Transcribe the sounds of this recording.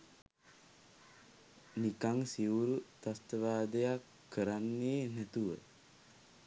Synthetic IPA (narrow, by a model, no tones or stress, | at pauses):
nikaŋsiwuɾut̪ast̪əʋaːd̪ejakʰːəɾanːeːnæt̪uʋə̰